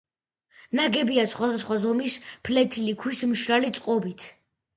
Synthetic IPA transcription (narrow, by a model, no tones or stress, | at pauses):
naɡɛbiasχwad̪asχwazɔmispʰlɛt̪ʰilikʰwismʃɾalit̪sʼqʼɔbit̪ʰ